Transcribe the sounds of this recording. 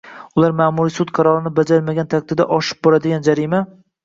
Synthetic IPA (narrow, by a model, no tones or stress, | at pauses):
ʊlaɾmaːmuɾisʊt̪qʰɑɾɒɾɪnɪbad͡ʒaɾmaɡʲant̪ʰak̚ʲt̪ʰɪd̪a̰ʔɒʃɪ̥p̚bɒɾad̪ɪɡʲand͡ʒaɾima